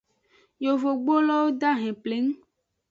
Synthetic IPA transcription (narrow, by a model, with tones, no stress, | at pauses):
jo˨vo˨ɡ͡bo˦lɔ˦wo˦d̪a˦ɦɛ̃˨ple˦ŋũ˦